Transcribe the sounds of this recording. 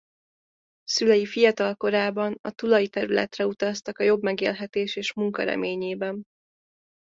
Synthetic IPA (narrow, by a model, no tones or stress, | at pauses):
sylɛjifijɒt̪ɒlko̞ɾaːbɒnɒt̪ulɒjit̪ɛɾylɛ̰t̪rɛut̪ɒst̪ɒkɒjo̞bmɛɡeːlɦɛt̪eːʃeːʃmuŋkɒ̰ɾɛ̰meːɲeːbɛn